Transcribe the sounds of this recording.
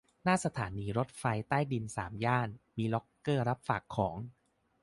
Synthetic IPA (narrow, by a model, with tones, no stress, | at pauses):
naː˥˩sa˧t̪ʰaː˩˦niː˧ɾo˦˥t̪̚fa˧jt̪aː˥˩jdi˧nsa̰ː˩˦mjaː˥˩nmiː˧lɔ˦˥kːɤː˥˩ɾa˦˥p̚faː˨˩kʰːɔː˩˦ŋ